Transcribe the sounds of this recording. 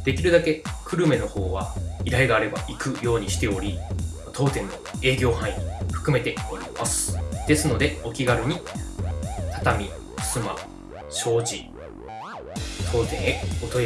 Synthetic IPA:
d̪̥e̞kʲiɾɯ̟d̪ake̞kʰɯ̟ɾɯ̟me̞no̞ho̞ːβaiɾaeɡaːɾe̞ba̰ʔikɯ̟jo̞ːɲ̟iɕi̥t̪e̞o̞ɾʲi | t̪ʰo̞ːt̪ẽ̞nːo̞̰e̞ːɡʲo̞ːhãɰ̃ĩiɸɯ̥kɯ̟me̞t̪e̞o̞ɾʲimasɨ̥d̪̥e̞sɨno̞d̪e̞o̞kʲiɡaɾʲɯ̟ɲ̟i | t̪ʰḁt̪amʲi̥ | sɨma̰ | ɕo̞ːʑi | t̪ʰo̞ːt̪ẽ̞ɰ̃eot̪o̞

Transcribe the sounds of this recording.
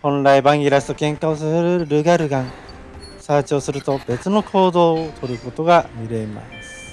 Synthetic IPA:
hõ̞nɾaibaŋiɾasɨ̥t̪okẽ̞ŋkaos̬eɾɯɾɯɡaɾɯɡaŋ | saːt͡ɕoːsɯɾɯt̪o̞be̞t͡sɨno̞kʰo̞ːd̪oːt̪ʰoɾɯ̟ko̞t̪o̞ɡamiɾe̞ma̰sɨ̥

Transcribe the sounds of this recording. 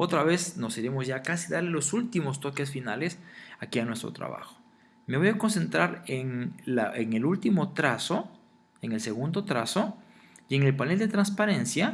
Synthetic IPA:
o̞t̪ɾaβe̞sno̞siɾe̞mozʝakasiðaɾle̞lo̞sult̪imo̞st̪o̞ke̞sfinale̞sakianwe̞st̪ɾot̪ɾa̰βa̰xo̥ | me̞βo̞jako̞nse̞nt̪ɾaɾeŋlaʔeŋelult̪imo̞t̪ɾaso | eŋelse̞ɣund̪o̞t̪ɾaso̞ | je̞ŋe̞lpane̞ld̪e̞t̪ɾanspaɾe̞nsja

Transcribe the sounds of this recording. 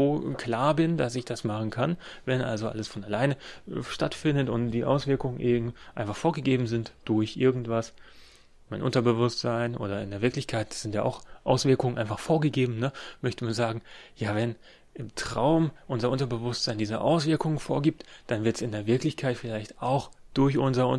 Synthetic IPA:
oːkl̥aːɐbɪndasɪçd̥asmaχn̩kʰanvɛnʔa̰lzoʔa̰ləsfɔnalaɪnəʃtatfɪndətʊntd̥iːʔa̰ʊsv̥ɪɐkʊŋənʔeːbm̩ʔaɪnfaχfoːɐɡəɡeːbm̩zɪntd̥ʊɐçʔɪɐɡŋ̩tv̥as | maɪnʔʊ̰ntɐbəvʊstz̥aɪnʔo̰ːɾɐɪ̰ndeːɐvɪɐklɪçkʰaɪtd̥sz̥ɪntja̰ːʔa̰ʊxʔa̰ʊsv̥ɪɐkʊŋənʔa̰ɪnfaχfoːɐɡəɡeːbm̩nəmœçtəmanzaːɡŋ̩jaːvɛn | ʔɪmtʁ̥a̰ʊmʔʊnzɐʔʊntɐbəvʊstz̥aɪndiːzəʔa̰ʊsv̥ɪɐkʊŋənfoːɐɡiːp̚td̥anvɪɐtsɪndeːɐvɪɐklɪçkʰaɪtfɪlaɪçtaʊxd̥ʊɐçʔʊnzɐʊ̰

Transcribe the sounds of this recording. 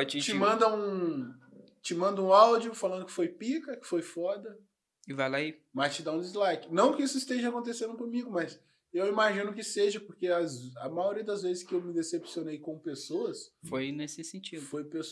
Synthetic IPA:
at͡ʃĩt͡ʃɪmɐ̃d̪ɐũ | t͡ʃɪmɐ̃nd̪ɐũawd͡ʒiʊfalɐ̃d̪ʊkɪ̥fojpikɐkɪ̥fojfɔd̪ɐ | ɪvajlaimɐst͡ʃɪd̪aũd͡ʒ̪izlajkɪnɐ̃w̃kɪisʊist̪eʒɐakõnt̪̬esẽnd̪ʊkõmiɡʊmɐz | ewimaʒĩnʊk̬ɪseʒɐpoɾkeɐzɐmajoɾiɐd̪ɐzvezɪskɪewmɪd̪esepsionejkõpesoɐsfojnesɪsẽt͡ʃid̪fojpes

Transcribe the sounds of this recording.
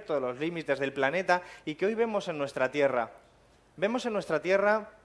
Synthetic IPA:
ɾt̪oðelo̞zlimit̪e̞zðe̞lplane̞t̪aikeo̞jβe̞mo̞se̞nːwe̞st̪ɾat̪je̞ra̰ | be̞mo̞se̞nːwe̞st̪ɾat̪je̞ra

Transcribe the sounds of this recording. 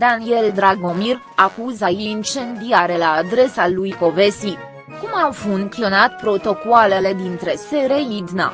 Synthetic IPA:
d̪anie̞ld̪ɾaɡo̞mir | akuzajeint͡ʃe̞nd̪iaɾe̞laːd̪ɾe̞salujko̞ve̞si | kumawfuŋklionat̪pɾo̞t̪o̞koale̞le̞d̪int̪ɾe̞seɾejid̪na̰

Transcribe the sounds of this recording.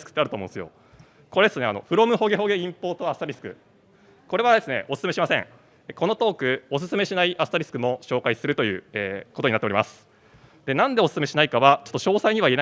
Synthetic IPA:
ɨ̥kɯ̥t̪ːeaɾ̟t̪omõsɨjo̞̰ | ko̞ɾed̪esɨne̞a̰no̞̰ɸɯ̟ɾo̞mɯ̟ɦo̞ɡe̞ɦo̞ɡe̞ĩmpo̞ːt̪oasɨ̥t̪aɾʲisɨ̥kɯ̟ | ko̞ɾe̞β̞ad̪e̞sɨne̞̰ʔo̞sɨ̥sɨme̞ɕimasẽ̞ŋ | ko̞no̞t̪o̞ːkɯ̟o̞s̬ɨ̥sɨme̞ɕinaiʔasɨ̥t̪aɾʲisɨ̥kɯ̟mo̞ɕo̞ːkaisɨɾɯ̟t̪o̞jɯ̟̰ːeːko̞t̪oɲinat̪ːeɾimasɨ̥ | d̪̥e̞nãnd̪e̞osɨ̥sɨme̞ɕinaikaβat͡ɕot̪ːoɕo̞ːsaiɲ̟iβaien

